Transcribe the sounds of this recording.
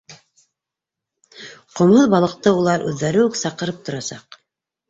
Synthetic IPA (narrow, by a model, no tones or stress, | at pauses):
qŏmoðbɑlˠɤ̆q̚t̪ɤulˠɑɾʔʉðːæɾɘwɘksɑqɤ̆ɾɤp̚t̪ŏɾɑsɑ̰q